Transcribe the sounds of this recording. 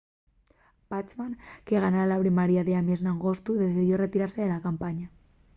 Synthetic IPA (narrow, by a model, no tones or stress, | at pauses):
pat͡ʃmaŋkeɣanaalapɾimaɾjaðeameznaŋɣost̪uðeθiðjoret̪iɾaɾseðelakampaɲa